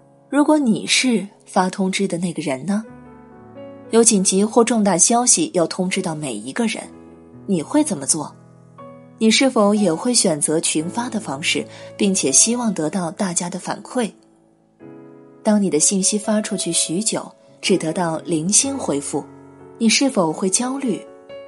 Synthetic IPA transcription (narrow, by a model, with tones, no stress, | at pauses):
ɻu˧˥kwɔ˧˥nḭ˨˩ʂɻ̩˥˩ | fa˥t̪ʰʊ˥ŋʈ͡ʂɻ̩˥d̪ə˨na˥˩ɪɡə˩ɻə˧˥nnə˧ | jo˧˥ʊt͡ɕi˨˩t͡ɕi˧˥xwɔ˥˧ʈ͡ʂʊ˥˧ŋt̪a˥˩ɕjɑ˥ʊɕi˨jʔɑ˥˩ʊt̪ʰʊ˥ŋʈ͡ʂɻ̩˥t̪ɑ˥˩ʊme˨˩ɪi˧˥ɡə˧ɻə̰˧˥n | ni˨˩xwe˥˩ɪt͡sə˨˩nmə˦t͡swɔ˥˩ | ni˨˩ʂɻ̩˥˩fo˨˧˦ʊjɛ˨˩xwe˥˩ɪɕɥɛ˨˩nt͡sɤ˧˥t͡ɕʰi˧˥nfa˥d̪ə˨fɑ˥ŋʂɻ̩˥˩pi˥˩ŋt͡ɕʰjɛ˨˩ɕi˥wɑ˥˩ŋt̪ɤ˧˥t̪ɑ˥˧ʊt̪a˥˩t͡ɕja˥d̪ə˨fa̰˨˩nkʰwe˥˩ɪ | t̪ɑ˥ŋni˨˩ə˦ɕi˥˩nɕi˥fa˥ʈ͡ʂʰu˥t͡ɕʰy˥˩ɕy˧˥t͡ɕjo˨˩˦ʊ | ʈ͡ʂɻ̩˨˩t̪ɤ˧˥t̪ɑ˥˩ʊli˧˥ŋɕi˥nxwe˥ɪfu˥˩ni˨˩ʂɻ̩˥˩fo˨˩ʊxwe˥˩ɪt͡ɕjɑ˥ʊly˥˩